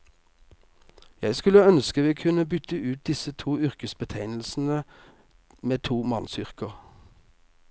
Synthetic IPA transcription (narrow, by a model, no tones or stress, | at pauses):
jæɪskʉləœnskəʋiːkʰʉnəbʏt̪əʉːt̪̚d̪ɪsət̪ʰuːʏʁkəsbət̪ʰæɪnl̩sn̩ə | meːt̪ʰuːmɑnsʏʁkəʁ